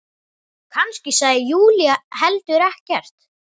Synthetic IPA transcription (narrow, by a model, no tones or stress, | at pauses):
kʰanscɪsaːjɪjuːlijaɦɛlt̪ʏɾɛhcɛr̥t̪